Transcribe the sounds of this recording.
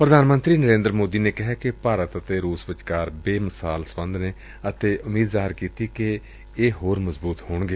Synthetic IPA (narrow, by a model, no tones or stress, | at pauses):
pɾəd̪aːnmə̃nt̪ɾiːnəɾẽːnd̪ɾmoːd̪iːneːkɪɦɛːkɪpaːɾət̪ət̪eːɾuːsbət͡ʃkaːɾbeːməsaːlsəbənd̪ʱneː | ət̪eːʔʊmiːd̪zaːɦɪɾkiːt̪iːke | eːɦoːɾməzbuːt̪ɦoːɳɡeː